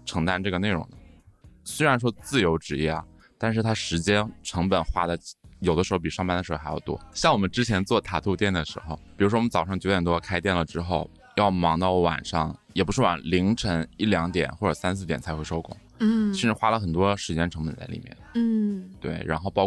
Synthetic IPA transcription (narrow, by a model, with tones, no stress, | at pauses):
ʈ͡ʂʰɤ˧˥ŋt̪a˥nʈ͡ʂɤ˥˩ɡə˩ne˥˩ɪɻʊ̰˧˥ŋd̪ə˧swe˥ɪɻa˧˥nʂ̬wɔ˥t͡sɹ̩˥˩jo˧˥ʊʈ͡ʂɻ̩˧˥jɛ̰˥˩˨ | t̪a˥˧nʂ̬ɻ̩˥˩t̪ʰa˥ʂɻ̩˧˥t͡ɕjɛ˥nʈ͡ʂʰɤ˧˥ŋpə˨˩nxwa˥d̪ə˨jo˨˩ʊə˦ʂɻxpi˨˩ʂɑ˥˧ŋpa˥nd̪ə˩ʂɻ̩˧˥˧j̰t̪wɔ̰˥ɕjɑ˥˩ŋwɔ˨˩mə˦nʈ͡ʂɻ̩˥t͡ɕʰjɛ˧˥nt͡swɔ˥˩t̪ʰa˨˩t̪ʰu˥˧t̪jɛ˥˩nd̪ə˩ʂɻ̩̰˧˥xo˧ʊpi˨˩ɻu˧˥ʂ̬wɔ˥wɔ˨˩ə˦nt͡sɑ˨˩ʊʂɑ˥˩ŋt͡ɕjo˧˥ʊjɛ˨˩t̪wɔ˥˧kʰa˥ɪt̪jɛ˥˩nlə˩ʈ͡ʂɻ̩˥xo˥˩ʊ | jɑ˥˩ʊmɑ˧˥ŋt̪ɑ˥˩ʊwa̰˨˩nʂɑ̰˥˩ŋjɛ˨˩pu˧˥ʂɻ̩˥˩wa̰˨˩nli˧˥ŋʈ͡ʂʰə˧˥ŋi˥˩ljɑ˧˥ŋt̪jɛ̰˨˩nxwɔ˥˩ʈ͡ʂə˨˩sa˥nsʰɹ̩˥˩t̪jɛ˨˩nt͡sʰa˧˥ɪxwʂo˥ʊkʰʊ̰˨˩˦ŋ˥ | t͡ɕʰi˧˥ʂɻ̩˧˥xwa˥lə˨xə˨˩nt̪wɔ˥ʂɻ̩˧˥t͡ɕjɛ˥nʈ͡ʂʰɤ˧˥ŋpə˨˩nt͡sa̰˥˩lḭ˨˩mjɛ̰˥˩n˥˩t̪wḛ˥˩ɪɻa˧˥nxo˥˧ʊpɑ˥